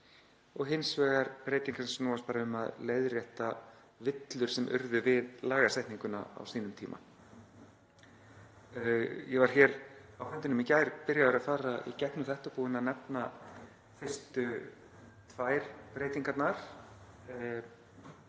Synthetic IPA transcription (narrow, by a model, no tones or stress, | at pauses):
ɔɣɦɪnsvɛːɣaɾpɾeːjt̪iŋkɾɛnsnuːaspaːɾaʏma̰ðleːjðrjɛht̪a | vɪt̪lʏɾ̥sɛmʔʏ̰ɾðʏvɪðlaːɣɣasɛjht̪niŋkʏna̰a̰wsiːnʏmt̪ʰiːma̰ | jɛvaɾ̥çɛɾawfʏnt̪ɪnʏmicaːjɾ̥pɪɾjaðʏɾaðfaːɾaḭcɛpnʏθɛht̪apuːɪnaðnɛpna | fɪr̥st̪ʏ | t̪ʰvaːjɾ̥pɾeːjt̪iŋkat̪naɾ̥